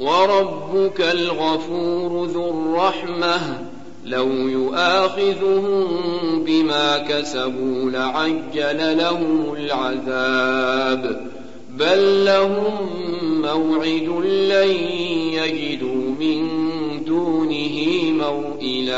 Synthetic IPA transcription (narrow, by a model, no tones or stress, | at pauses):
wɑɾˤɑbːʊkalɣafuːɾʊðʊrˤːɑħmah | lawjʊʔaːxɪðʊhʊmbɪmaːkasabuːlaʕad͡ʒːalalaɦʊmʊlʕaðaːb | balːaɦʊmːawʕɪd̪ʊlːajjad͡ʒɪd̪uːmɪnd̪uːnɪɦimawʔɪðaː